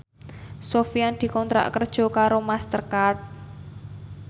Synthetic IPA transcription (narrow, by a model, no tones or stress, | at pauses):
sofiand̪̥i̤kɔnt̪ɾa̰ʔkərd̥ʒ̥ɔ̤kaɾomast̪ərkart̪̚